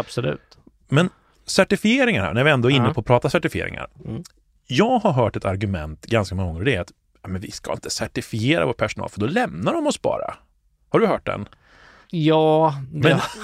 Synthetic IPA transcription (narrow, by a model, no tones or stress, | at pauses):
ab̥sɔlʉ̟̰ːt̪ | mɛn | sæʈɪfɪeːɾɪŋaɾhæ̰ɳɛɾvɪɛnd̪oːɪnːəpʰɔːpʰɾɑːt̪asæʈɪfɪḛːɾɪ̰ŋa̰ɾ | jɑːɡhaɾɦœːʈɛt̪ʰaɾɡɵmɛ̰nt̪ɡanskamɔɔŋːɾd̪ɛɾat̪ | jamɛnvɪ̰ska̰ɪ̰nt̪ə̥sæʈɪfɪeːɾa̰voːʈ̚pʰæʂʊnɑ̰ːlfœɖd̪ɔlɛmnaɖɔmɔsbɑ̰ːɾa̰ | haɖɵhœːʈ̚d̪ɛ̰n | jɑːmɛ